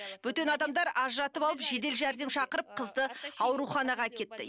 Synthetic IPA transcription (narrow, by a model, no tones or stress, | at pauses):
bɵt̪e̞nɑd̪ɑmd̪ɑɾɑʒɾɑt̪əpɑlˠəpʒe̞d̪e̞lʒæɾd̪e̞mʃɑqəɾəp̚qʰəzd̪əɑwɾuχɑnɑʁɑkʲʰe̞t̪ːɪ̰